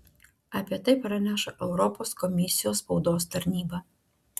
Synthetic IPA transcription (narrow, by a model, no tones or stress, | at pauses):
ɐpʲiɛt̪ɐɪpɾɐnʲæʃɐʔɛʊɾɔpoːskɔmʲɪsʲɪjoːsspɒʊd̪oːst̪ɐɾʲnʲiːbɐ